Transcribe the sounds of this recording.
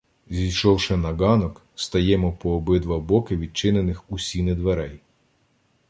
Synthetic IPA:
zʲijʃɔwʃɛnɐɡɑnɔk | st̪ɐjɛmɔpɔːbɪd̪ʋɐbɔkɪʋʲid̪̚t͡ʃɪnenɪxusʲinɪd̪ʋeɾɛj

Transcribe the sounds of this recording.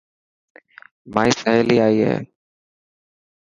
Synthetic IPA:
maːiːsəɦeːliːaːiːɦḛː

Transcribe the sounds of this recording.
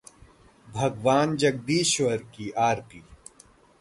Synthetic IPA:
bʱɐɡʋaːnd͡ʒɐɡ̚d̪iːʃʋəɾkiʔaːɾpiː

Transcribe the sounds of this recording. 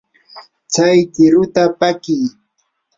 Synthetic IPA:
t͡sajkɪɾʊt̪apakɪj

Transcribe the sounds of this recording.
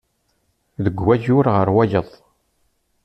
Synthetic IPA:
ðəɡʷwæʝʊɾʁəɾwæjəðˤ

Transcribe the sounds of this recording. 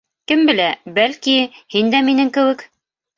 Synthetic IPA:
kɘmbɘ̆læbælkihind̪æminɘŋkɘ̆wɘk

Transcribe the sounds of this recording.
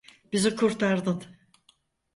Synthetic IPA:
bizikʰuɾt̪ʰaɾd̪ɯn

